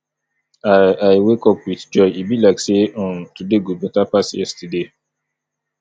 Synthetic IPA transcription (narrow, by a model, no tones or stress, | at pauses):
aajwekɔpwidd͡ʒɔjibilaksẽntudeɡubɛtapasjɛ̰stide